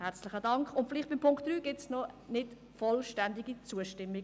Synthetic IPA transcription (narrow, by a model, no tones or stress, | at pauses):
hæɾt͡slɪχədɑŋkχʊntfɪlɪχt̚b̥ɪmpʰʊŋkt̚d̥ryːɡ̥ɪtsnɔnɪt | fɔlʃtændiɡit͡suəʃtɪmːi